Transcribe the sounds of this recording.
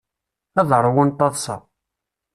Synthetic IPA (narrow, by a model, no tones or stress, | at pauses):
æðɾˤwənt̪ˤːɑðˤsɑ̰